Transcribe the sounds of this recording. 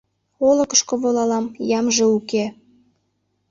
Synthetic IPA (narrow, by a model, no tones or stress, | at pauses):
oləkəʃkoβolɑlɑmjɑmʒĕuke